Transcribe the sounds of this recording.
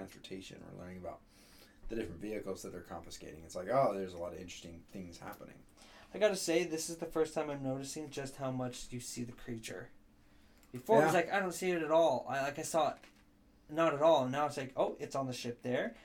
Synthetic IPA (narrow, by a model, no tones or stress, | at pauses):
ɑ̃nsə̰˞tʰeɪʃɨ̰̃nə̰˞lɜ̰̃˞nɪ̃ŋəbaʊt̪̚ | ðɨdɪfɹɨ̃ntviɨkl̩ˠz̥ðɨt̪̚ðə˞kʰɑ̰̃ɱfɨskeɪɾɪ̰̃ŋɨtslaɪkoʊðə˞zəlɔɾʌvɪ̃nt͡ʃɹ̥ɨ̥stɪ̃ŋθɪ̃ŋz̥hæ̰pənɪ̰̃ŋ | aɪɡɑɾɨseɪðɪsɨzðɨfɜ˞stʰãɪ̃mãɪ̃mnoʊɾɨsɪ̃ŋd͡ʒʌst̚haʊmʌt͡ʃjɨsiðɨkʰɹ̥it͡ʃə̰˞ | b̥ɨfɔɹwzlaɪkaɪɾõʊ̃ntsiɨɾɨɾɔlˠa̰ɪlaɪkaɪsɔt | nəɾɨɾɔlˠnaʊɪtslaɪkʰoʊʔɨtsn̩ðɨʃɪp̚ðə˞